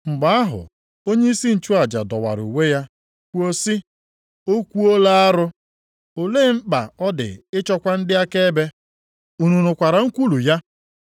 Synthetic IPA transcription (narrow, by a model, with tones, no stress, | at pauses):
ŋ͡m̩˨ɡ͡ba˨a˦ɦʊ̰˨ | o˦ɲe˦i˦si˦n̩˨t͡ʃu˦a˨d͡ʒa̰˨dɔ˨wa̰˨ɾṵ˨we˦ja˦ | kʷu˦o˦si˦ | o˦kʷu˦o˦la˦a˦ɾʊ˦ | o˨le˦˨˦ŋ͡m̩˦k͡pa˨ɔ˦dɪ̰˨ɪ˦t͡ʃɔ˦kʷa˦n̩˦dɪ˦a˦ke˦be˦ | u˨nu˨nʊ˨kʷa˨ɾa˨ŋ̩˦kʷu˦lu˨ja˦